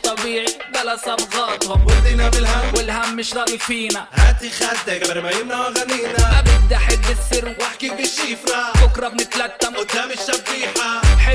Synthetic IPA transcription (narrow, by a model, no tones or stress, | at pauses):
t̪ˤːɑbiːʕibalasˤɑbɣɑːt̪hʊmwɪd̪inaɪlhamwɪlhamːɪʃɾˤɑːɡifiːnahat̪ixazːaɡaɾbajɪmnawaɣaniːnaʔabɪbd̪aħɪbːɪsːɪɾnwaħkibɪʃːiːfnabʊkɾˤɑbnɪt̪lat̪ːamɪt̪ːamɪʃːabiːħaħɪ